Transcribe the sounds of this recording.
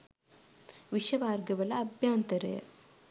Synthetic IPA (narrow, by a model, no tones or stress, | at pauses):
ʋiʃɐbaːɾɡɐʋɐlɐːbʱjaːnt̪ɐɾḛ